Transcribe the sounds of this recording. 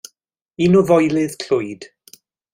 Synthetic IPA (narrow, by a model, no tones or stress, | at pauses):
inɔvɔjlɪð̥kʰlʊjd̥